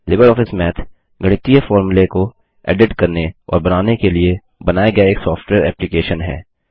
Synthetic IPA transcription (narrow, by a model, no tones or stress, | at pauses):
lɪbəɾɔːfɪsmɛːt̪ʰ | ɡɐɽ̃ɪt̪ijefɔːɾmuleko | ɛ̰ːɖɪʈkɐɾneɔ̰ːɾbɐnaːnekelie | bɐnaːjeɡɐjaeːksɔːfʈweːɾɛːplikeːʃənɦɛ̰ː